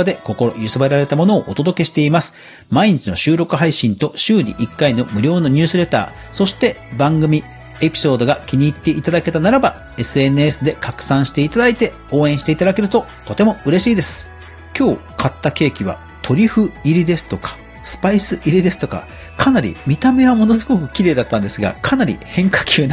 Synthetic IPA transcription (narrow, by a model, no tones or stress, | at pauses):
ad̪e̞ko̞ko̞ɾo̞̰jɯsɨbaɾaɾe̞t̪amo̞no̞ːʔot̪o̞d̪o̞ke̞ɕi̥t̪e̞imasɨ̥ | maiɲ̟it͡ɕino̞ɕɨːɾo̞kɯ̟ɦaiɕĩnt̪o̞ɕɨːɲ̟ḭʔikːaino̞mɯ̟ɾʲo̞ːno̞ɲ̟ʲɨːsɨɾe̞t̪a̰ː | so̞ɕi̥t̪e̞bãŋɡɯ̟mʲi | e̞pʲi̥so̞ːd̪o̞ɡakʲiɲ̟iːt̪ːe̞ʔit̪ad̪ake̞t̪anaɾaba | e̞sɨe̞nɯ̟esɨd̪e̞kakɯ̟̥sãɰ̃ɕi̥t̪e̞it̪ad̪ait̪e̞ | o̞ːẽ̞ɕi̥t̪e̞it̪ad̪ake̞ɾɯ̟t̪o̞t̪o̞t̪e̞mo̞ɯ̟ɾe̞ɕiːd̪e̞sɨ̥ | kʲo̞ː | kʰat̪ːake̞ːkʲiβ̞a̰ | t̪ʰo̞ɾʲiɸɯ̟iɾʲid̪e̞sɨ̥t̪o̞kḁ | sɨ̥paisɨʔiɾʲid̪e̞sɨ̥t̪o̞ka̰ | kʰanaɾʲḭmʲit̪ame̞βamo̞no̞zɨɡo̞kɯ̟kʲiɾe̞ːd̪at̪ːãnd̪e̞sɨɡa̰kʰanaɾʲḭhẽ̞ŋkḁkʲʰɨːn